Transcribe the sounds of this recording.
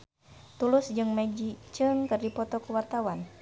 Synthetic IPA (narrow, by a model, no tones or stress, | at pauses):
t̪ulʊsd͡ʒɨŋmad͡ʒit͡ʃɨŋkɨrdipɔt̪ɔkuwart̪awan